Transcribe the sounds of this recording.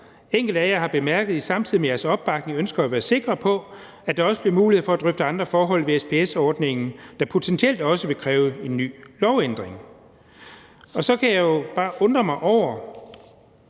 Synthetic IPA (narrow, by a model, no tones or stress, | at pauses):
eŋ̰ɡ̥l̩d̥æjähɑ̈b̥e̝mæɐɡ̥əð̞̩ˠisɑ̈mt͡sʰið̰imejæɐsɒ̽b̥ːɑ̈ɡ̥ne̝ŋønsɡ̥ɐæʋæːɐse̝ɡ̥ʁɐpʰɒ̽ | æd̥ɑ̈ɒ̽səb̥liɐmuːlihe̝̰fɒ̽æd̥ʁœfd̥əɑ̈nd̥ʁɐfɒːɦɒ̽l̰ʋe̝espʰe̝esɒːd̥ne̝ŋn̩d̥ɑ̈pʰo̝t͡sʰent͡sʰiel̰d̥ɒ̽səʋe̝kʰʁɛːʊe̝nːy̰ːlɒʊend̥ʁeŋ | ɒ̽sɒ̽kʰæjɑ̈jo̝b̥ɑ̈ːʔɔ̽nd̥ʁɐmɑ̈ɪʔɒʊ̰ɐ